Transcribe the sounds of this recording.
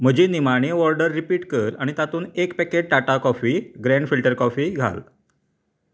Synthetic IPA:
m̤əd͡ʑiːnimaɽ̃eʋɔɾɖəɾːipiːʈkəɾaɽ̃it̪at̪uːnekpɛked͡ʑʈaʈakɔfiːɡɾẽɳɖfilʈəɾkɔfiːɡʱa̰l

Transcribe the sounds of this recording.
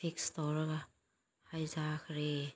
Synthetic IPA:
pʰikstɔɾɡa | hajzakʰɾe

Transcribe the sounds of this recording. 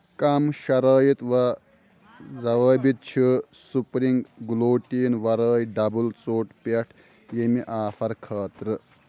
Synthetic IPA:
kɐmʃɐɾəːjit̪ʋɐ | zɐʋəːbit̪̚t͡ʃʰi | supɾiŋɡɡuloːʈiːnʋɐɾəːjɖɐbult͡soːʈpeʈʰ | jemiʔaːfɐɾkʰɐːt̪ɾɨ

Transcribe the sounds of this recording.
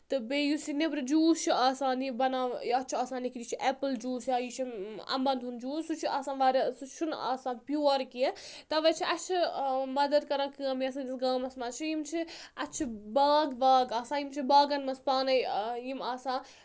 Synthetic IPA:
t̪ɨbeːjusinebɾɨd͡ʒuːst͡ʃʰiaːsaːnibɐnaːiɐtːt͡ʃʰiaːsaːnikiɾit͡ʃʰiʔepɨld͡ʒuːsaːjit͡ʃʰimɐ̰mbɐnd̪und͡ʒuːsut͡ʃʰiʔaːsãːnʋaːɾisut͡ʃʰuna̰ːsãːnpjoːɾkit̪ɐʋɐt͡ʃʰiʔɐt͡ʃʰimɐd̪ɐd̪̚kɐɾãnkɨɐmiɐs̬ãnisɡaːmɐsmat͡ʃʰijimt͡ʃʰiɐtːt͡ʃʰibaːɡʋaːɡaːsãːjimt͡ʃʰibaːɡɐnmɐspaːnɐjjimaːsãː

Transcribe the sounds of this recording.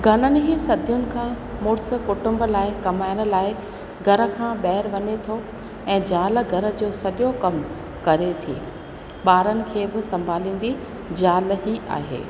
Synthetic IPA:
ɡʱɐnənɪ̆ɦisɐd̪ʱijʊnɪ̆kʰãː | mʊːɽs̆kʊʈʊ̃mblaːɪkɐmaːɪɽ̃ə̆laːɪ | ɡʱɐɾə̆kʰãːɓɛːɾʋɐɲet̪ʰo | ɛ̃ːd͡ʑaːl̆ɡʱɐɾə̆d͡ʑoːsɐɗjokɐm | kɐɾet̪ʰḭː | ɓaːɾənɪ̆kʰeːbɪsɐ̃mbʱaːlĩːn̆d̪i | d͡ʑaːlɦiʔa̰ːɦḛː

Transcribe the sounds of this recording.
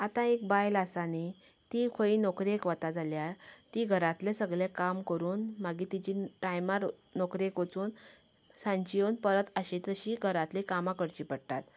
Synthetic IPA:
at̪ãek̚bajlasani | t̪ikʰoinɔkɾiekʋət̪ad͡zʱaljaɾt̪iɡʱəɾat̪lesəɡlekamkəɾuːnmaɡit̪id͡ʑiʈajmaɾnokɾekot͡suːn | sãɲt͡ɕijonpəɾət̪əɕĩt̪əɕiɡʱəɾat̪likamãkəɾt͡ɕiːpəɽt̪at̪

